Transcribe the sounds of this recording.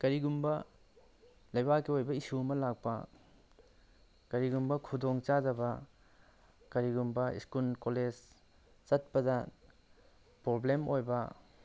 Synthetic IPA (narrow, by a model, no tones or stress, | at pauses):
kɐɾiɡumbɐ | lɐjbakːiojbɐisuɐmɐlak̚pɐ | kɐɾiɡumbɐkʰudoŋt͡ʃadɐbɐ | kɐɾiɡumbɐḭskulkoled͡ʒ | t͡ʃɐt̚pɐdɐ | pɾoblemojbɐ